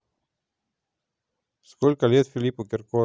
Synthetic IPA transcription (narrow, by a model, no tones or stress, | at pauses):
skolkalet̪filipokeɾko